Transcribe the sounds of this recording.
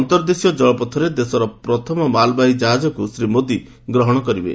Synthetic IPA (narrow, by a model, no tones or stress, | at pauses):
ɔnt̪ɔɾd̪isijɔd͡ʒɔɭɔpɔt̪ʰːɔɾed̪esɔɾɔpɾɔt̪ʰɔmɔmalbajid͡ʒaɦad͡ʒɔkusɾimod̪i | ɡɾɔɦɔɽ̃ɔkɔɾibḛ